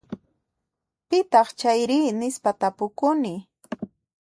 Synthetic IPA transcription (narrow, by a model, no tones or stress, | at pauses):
pɪt̪ɑχt͡ʃajɾiːnɪspat̪apʊkʊnɪ